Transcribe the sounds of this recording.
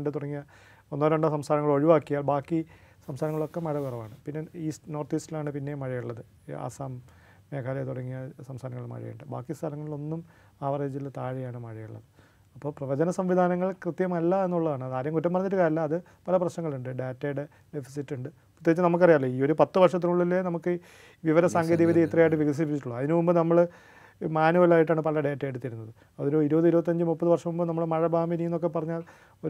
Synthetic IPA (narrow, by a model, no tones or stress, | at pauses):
ɳɖɨt̪uɽɐŋːijɐ | onːoɾoɳɖosɐmst̪ʰaːnɐŋːɐɭo̞ɻiʋaːkːijaːɭbaːkːi | sɐmst̪ʰaːɾɐŋːɐɭo̞kːemɐɻɐʋirɐʋa̰ːɳɨpinːe̞iːstno̞ːrt̪iːstilaːɳɨpinːe̞mɐɻɐjuɭːɐðɨ | a̰ːsaːmː | eːkʰaːlɐjt̪uɽɐŋːijɐsɐmst̪ʰaːnɐŋːɐɭmɐ̰ɻɐ̰jṵɳɖɨba̰ːkːist̪ʰɐlɐŋːɐɭilo̞nːum | aːʋɐreːd͡ʑilt̪aːɻijaːɳɨmɐɻɐjuɭːɐ̰ðɨ | ɐpːo̞ːprɐʋɐd͡ʑɐnɐsɐmʋid̪ʱaːnɐŋːɐɭkrɨt̪jɐmɐlːɐenːuɭːɐðaːɳɨɐðaːdɾjɐmkutːɐmːpɐrɐɲːitːɨkaːɾɐlːɐːðɨ | pɐlɐprɐɕnɐŋːɐɭuɳɖɨɖeːtːejɽe | ɖefi̥sitːuɳɖɨ | urt̪jeɡit͡ɕːɨnɐmuk̬ːɐrijaːlːoiːo̞ɾupɐt̪ːɨʋɐrʂɐt̪ːinuɭːilːenɐmukːɨ | ʋiʋɐɾɐsaːŋɡʱeðiʋid̪ʱiit̪rɐjaːjiʈ̬ːɨʋiɡɐs̬ip̬ːit͡ɕːʈːuɭːɐɐðinɨmumbɨnɐmːɐɭ | maːnuʋɐlaːjiʈ̬ːaːɳɨpɐlɐɖeːtːejeɽut̪ːiɾunːɐðɨ | ɐðoɾuiɾubɐtðɨiɾubɐt̪̬ːɐɲd͡ʑɨmupːɐðɨʋɐrʂɐmumbɨnɐmːɐɭmɐɻɐbaːminijinːo̞kːe̞pːɐrɐɲːaːl | o̞